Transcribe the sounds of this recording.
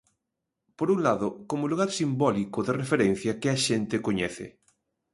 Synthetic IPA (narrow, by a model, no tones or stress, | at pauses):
poɾuŋlaðʊkomoluɣaɾsimbɔlikoðerefeɾɛn̟θjɐkɪɐʃent̪ɪkoɲɛθɪ̰